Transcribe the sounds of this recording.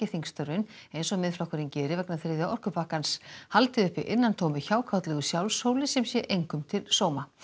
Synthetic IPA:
ɪθiŋkst̪œɾvɪnejnsɔmɪðfɾawɔkʰvɛɾɪncɛːɾɪvɛknaθeɾðɪawɔr̥kʏpaːkanshalt̪ɪʏhpːɪʔɪnːant̪ʰowmɪçaːwkʰawt̪lɛɣʏsjawlsowlɪsɛmsjɛʔejŋkʏmt̪ʰɪlsoːwma

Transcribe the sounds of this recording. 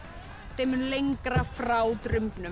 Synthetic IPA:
θejmɪnlejŋkɾafɾaːwt̪ɾʏmpnʏ

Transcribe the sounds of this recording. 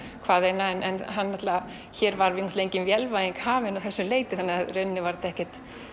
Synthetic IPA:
kʰvaːðejnaɛnʔɛnɦanːaht̪la | çɛːɾvaɾvɪnɔht̪laejɲcɪnvjɛlvajɪŋkhaːvɪnawθɛsːʏleːjt̪ɪθanːɪaðrœnːɪvaɾt̪ɛhcɛt̪

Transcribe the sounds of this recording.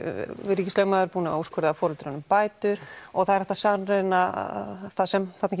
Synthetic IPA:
vɪɾicɪst̪œːɥmaðʏɾpuːnɪauskʰœɾðafɔːɾʏlt̪ɾanʏmpaːjt̪ʏɾɔɣθaðɛɾɛht̪asarenaθaðsɛmfat̪nac

